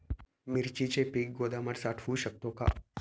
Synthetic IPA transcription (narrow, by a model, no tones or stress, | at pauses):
mɪɾt͡ʃit͡ʃepik̚ɡoːd̪aməɾsaːʈʰfuʃək̚t̪õka̰